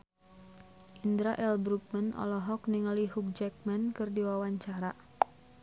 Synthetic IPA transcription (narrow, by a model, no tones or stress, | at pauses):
ʔindɾaʔɛlbɾuk̚manɔ̰lɔɦɔkniŋaliɦuk̚d͡ʒɛk̚mankɨrdiwawaɲt͡ʃaɾa